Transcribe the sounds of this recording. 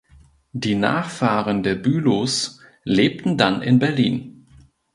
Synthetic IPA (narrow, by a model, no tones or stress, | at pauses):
d̥iːna̰ːχfaːʁəndeːɐbyːlos | leːp̚tn̩danɪ̰nbɛɐliːn